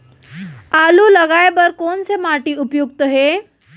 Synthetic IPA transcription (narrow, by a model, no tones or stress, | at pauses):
aluləɡajbəɾkont͡semaʈiːupjuɡt̪əɦe